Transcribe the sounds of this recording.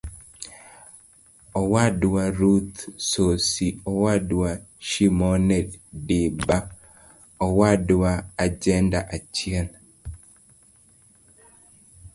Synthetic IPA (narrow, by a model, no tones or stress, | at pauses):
ɔwadwaɾut̪sosiɔwadwaʃimɔnɛdɪba | ɔwadwaːd͡ʒɛndaʔat͡ʃjɛn